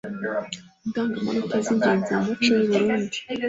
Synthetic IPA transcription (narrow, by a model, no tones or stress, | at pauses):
ndaːŋɡama̰nutazindeːnzamut͡ʃojuβuɾuːndi̥